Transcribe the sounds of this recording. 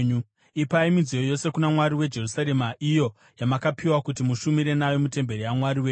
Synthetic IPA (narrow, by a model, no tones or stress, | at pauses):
ɲu | ipaimizijojo̞se̞kunamwaɾiwe̞d͡ʒe̞rusaɾe̞maʔijo̞ | jamakapiwakutimuʃumiɾe̞najo̞mute̞mbe̞ɾijamwaɾiweː